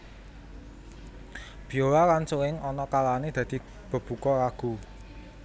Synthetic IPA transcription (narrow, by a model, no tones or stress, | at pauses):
b̥ijoɾaɾansuɪŋɔnɔkalaned̪̥ä̤d̪̥i̤ | b̥ə̤b̥ṳkɔɾaɡ̥u